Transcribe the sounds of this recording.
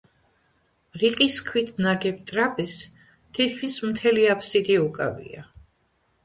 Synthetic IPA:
ɾiqʼiskʰwit̪ʰnaɡɛp̚t̪ʼɾapʼɛs | t̪ʰikʰismt̪ʰɛliapʰsid̪iukʼa̰vḭa̰

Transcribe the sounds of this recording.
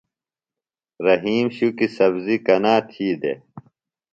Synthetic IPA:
ɾɐɦiːmɕukisɐbzikɐnaːt̪ʰiːd̪ḛ

